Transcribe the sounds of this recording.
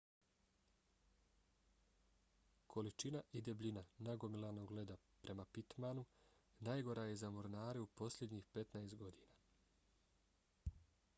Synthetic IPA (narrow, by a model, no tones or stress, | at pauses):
kʰo̞lit͡ʃinaʔid̪ebʎʲinanaɡo̞milˠano̞ɡle̞d̪a | pɾʔe̞mapit̪manunaːjɡo̞ɾaje̞zamoɾnaːɾeupo̞sʎʲe̞d̪ɲixpe̞t̪naest̪̚ɡo̞d̪iːnaː